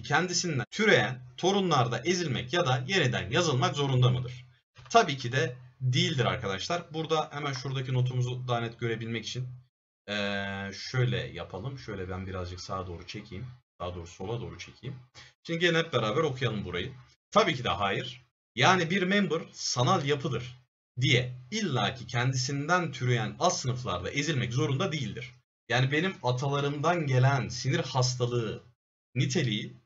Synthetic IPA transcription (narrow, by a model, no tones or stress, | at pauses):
cʰɛnd̪isind̪ɛt̪ʰyɾe̞jænt̪ʰo̞ɾunlˠaɾd̪aʔe̞zilʲmɛcjad̪aje̞nid̪ænjazɯlˠmakzo̞ɾund̪amɯd̪ɯɾ̥ | t̪ʰabiːcʰid̪ɛd̪ijilʲd̪iɾa̰ɾkʰad̪aʃlˠaɾbuɾd̪ahɛmænʃuɾd̪acʰino̞t̪ʰumuzud̪aːnɛt̪ɟø̞ɾe̞bilʲmɛci̥t͡ʃʰin | ɛːʃø̞jlʲɛ̰ja̰pʰalˠɯmʃø̞jlʲɛbænbiɾazd͡ʒɯksaːd̪o̞ːɾut͡ʃʰe̞cʰijːmd̪̥aːd̪o̞ːɾuso̞lˠad̪o̞ːɾut͡ʃʰe̞cʰijimʃimnd̪iɟenʲɛt̪̚beɾaːbæɾo̞kʰujalˠɯmbuɾajɯ | t̪ʰabiːcʰid̪ɛ̰ɦaːjiɾ̥ | jaːnibiɾmɛmbɯɾsanalʲˠjapʰɯd̪ˠɯɾ̥ | d̪ijɛilʲːaːcʰicʰɛnd̪isind̪ænt̪ʰyɾyjænazsːɯnɯflˠa̰ɾd̪aʔezilʲmɛczo̞ɾund̪ad̪ejilʲd̪iɾ̥ | jaːnibe̞nimat̪ʰalˠaɾɯmd̪anɟe̞lʲænsiniɾhas̬t̪ʰalˠɯɯ | nit̪ʰe̞lʲiji